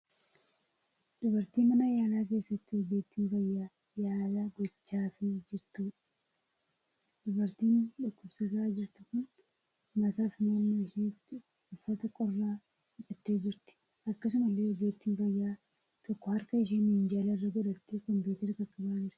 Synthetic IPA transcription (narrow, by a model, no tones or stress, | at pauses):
ᶑʊbɐɾt̪iːnmɐnajaːlaːk̬e̞ːsːɐt̪ːɪwɔɡeːt̪ːiːnbɐjːaː | jaːlaːɡɔt͡ʃːaːfɪd͡ʒɪɾt̪uːᶑ | ᶑʊbɐɾt̪iːnᶑʊkːʊbsɐɡɐʔaːd͡ʒɪɾt̪ʊkʊn | mɐt̪aːfnoːnːɐɪʃiːnɪt̪ːɪ | ʊfːɐt̪ɐkʼɔrːaː | ʊkɐt̪ːe̞ːd͡ʒɪɾt̪ɪ̥ | ɐkːɐs̬ʊmɐlːe̞ːwɔɡeːt̪ːiːnbɐjːaː | t̪ɔkːɔhɐɾkɐɪʃeːnːɪhɪnd͡ʒalɐɪrːɐɡɔᶑɐt̪ːekɔmpuːt̪ɛɾɪkɐkʼːɐbaːnɪɾɪ̥